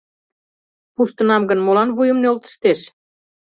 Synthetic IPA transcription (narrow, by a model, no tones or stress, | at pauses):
puʃt̪ə̆nɑmɡə̆nmolɑnβujə̆mnølt̪ə̥̆ʃt̪eʃ